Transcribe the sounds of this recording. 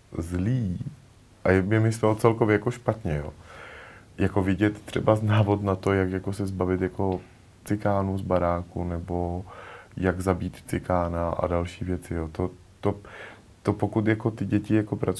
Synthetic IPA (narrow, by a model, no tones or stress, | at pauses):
zliː | ʔajamɲɛmɪslɛlot͡sɛlkovjɛjakoʃpat̪ɲɛjo̰ː | jako̞vɪɟɛt̪ːr̝̥ɛbaznaːvo̞t̪nat̪o̞jakjako̞sɛzbavɪt̪jako̞ | t͡sɪkaːnuzbaɾaːkunɛbo̞ | jaɡzabiːt̪t͡sɪkaːnaʔa̰dalʃiːvjɛt͡sɪjoːt̪o | t̪o | t̪opokut̪jako̞t̪ɪɟɛcɪjako̞pɾat͡s